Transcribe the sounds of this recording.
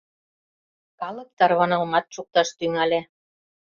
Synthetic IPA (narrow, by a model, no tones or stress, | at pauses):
kɑlɤ̆k̚t̪ɑɾβɑnɑlmɑt̪̚ʃuk̚t̪ɑʃt̪yŋæle